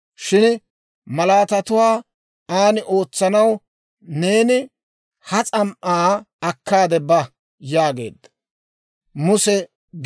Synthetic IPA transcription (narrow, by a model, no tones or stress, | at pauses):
ʃɪn | mɐlaːt̪ɐt̪ʊwaː | aːnɪʔo̞ːt͡sːɐnɐw | ne̞ːnɪ | hɐt͡sʼɐmʔaː | ɐkːaːd̪ɛbɐ | jaːɡe̞ːd̪ːɐ̥ | mʊsɛ